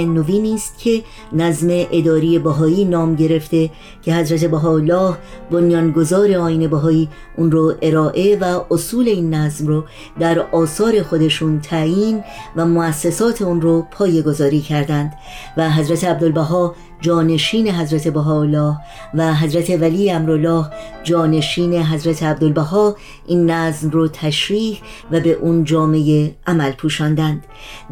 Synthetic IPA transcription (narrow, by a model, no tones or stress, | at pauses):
noviːniːst̪̚cʰe̞ | næzme̞ʔed̪ɒːɾije̞bæɦɒːiːnɒːmɟe̞ɾe̞ft̪e̞ | cʰe̞ɦæzɾæt̪ʰe̞bæɦɒːlːɒːhbonjɒːnɡo̞zɒːɾe̞ɒːjiːne̞bæɦɒːiː | ʔunɾoʔe̞ɾɒːʔe̞væʔosuːle̞iːnːæzmro | d̪æɾɒːsɒːɾe̞xo̞d̪e̞ʃuːnt̪ʰæiːnvæmoæsːesɒːt̪ʰe̞unɾopʰɒːje̞ɡo̞zɒːɾiːcʰæɾd̪ænd̪̥ | væɦæzɾæt̪ʰeæb̚d̪olbæɦɒː | d͡ʒɒːne̞ʃiːne̞ɦæzɾæt̪ʰe̞boɦɒːolːɒːh | væɦæzɾæt̪ʰe̞vælijeæmɾolːɒːh | d͡ʒɒːne̞ʃiːne̞ɦæzɾæt̪ʰeæb̚d̪olbæɦɒː | ʔinːæzmrot̪ʰæʃɾiːh | væbe̞ʔuːnd͡ʒɒːme̞jeʔæmælpʰuːʃɒːnd̪ænd̪̥